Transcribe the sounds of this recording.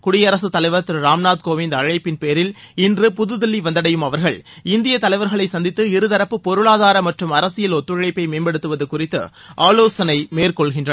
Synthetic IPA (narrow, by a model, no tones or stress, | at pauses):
kʊɽɪjɐɾɐsɯt̪ːɐlɐɪʋɐɾt̪ːɯɾɾaːmnaːt̪̚koːʋɪnd̪ɐɻɐɪpːɪnpeːɾɪl | ɪndrɯpʊðɯðɪlːiʋɐnd̪ɐɽɐjɯmɐʋɐɾɣɐɭɪnd̪ɪjɐt̪ɐlɐɪʋɐɾɣɐɭɐɪsɐnd̪ɪt̪ːɯɪɾɯðɐɾɐpːɯpːɔɾɯɭaːðaːɾɐmɐʈrɯmɐɾɐsɪjɐlɔt̪ːɯɻɐɻɐɪpːɐɪmeːnbɛɽɯt̪ːɯʋɐðɯkʊrɪt̪ːɯ̰ | ʔaːloːsɐnɐɪmeːrkɔɭɣɪndrɐ